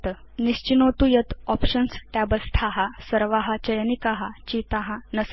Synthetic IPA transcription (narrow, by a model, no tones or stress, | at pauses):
t̪ | niɕt͡ɕinot̪ujət̪ɔpɕənst̪abəst̪ʰaɦasəɾʋaɦat͡ɕəjnikaɦat͡ɕit̪aɦãnəs